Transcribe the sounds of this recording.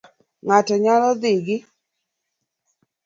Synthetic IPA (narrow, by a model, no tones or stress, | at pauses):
ŋatɔɲalɔd̪ɪɡɪ